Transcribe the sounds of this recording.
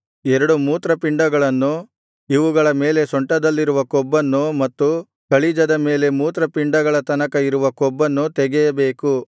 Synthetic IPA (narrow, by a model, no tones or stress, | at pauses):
ɛɾɐɽumuːt̪ɾɐpiɳɖɐɡɐɭɐnːu | iʋuɡɐɭɐme̞ːle̞sɔɳʈɐd̪ɐlːiɾuʋɐkɔbːɐnːumɐt̪ːu | kɐɭid͡ʒɐd̪ɐme̞ːle̞muːt̪ɾɐpiɳɖɐɡɐɭɐt̪ɐnɐkɐiɾuʋɐkɔbːɐnːut̪ɛɡɛjɐbeːku